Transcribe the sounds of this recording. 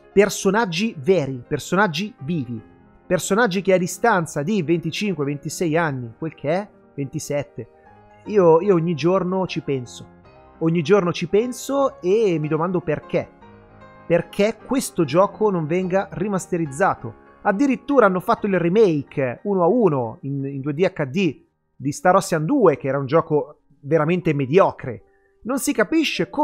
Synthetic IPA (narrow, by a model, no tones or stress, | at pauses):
personad͡ʒːivɛːɾipersonad͡ʒːiviːvi | personad͡ʒːik̟ead̪ːist̪ant̪sad̪ivent̪it͡ʃiŋkwevent̪isɛjanːikwelkʰeɛ | vent̪isɛt̪ːe | iːoiːooɲːid͡ʒornot͡ʃipɛnso | oɲːid͡ʒornot͡ʃipɛnsoemːid̪omand̪operk̟e | perkʰekːwest̪od͡ʒɔːkʰonoɱvɛŋɡarimast̪eɾid̪zːaːt̪o | ad̪ːiɾit̪ːuːɾaanːofat̪ːoilrimejkʰuːnoauːnoinind̪ued̪iakːad̪ːi | d̪ist̪aɾɔsːjand̪uːek̟ɛːɾaund͡ʒɔːko | veɾament̪emed̪jɔːkɾḛ | nonsikapiʃːek